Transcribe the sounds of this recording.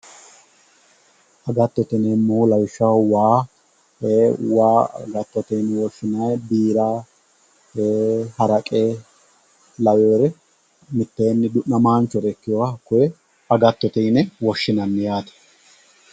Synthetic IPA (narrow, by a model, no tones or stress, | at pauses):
ɐɡɐt̪ːɔt̪ɪnemːuːlɐwɪʃːɐwwaː | heːwa̰ːɡɐt̪ːɔt̪ɛnwɔʃːɪnɐjbiːɾaː | heːhɐɾɐkʼeː | lɐweːɾɛ | mɪt̪ːeːnːɪd̪ʊʔːɐmaːnt͡ʃːɔɾɛkːɪjɔwɐkʊjɛ | ɐɡɐt̪ːɔt̪ɛjnɛwɔʃːɪnɐnːɪjaːt̪ɐ̥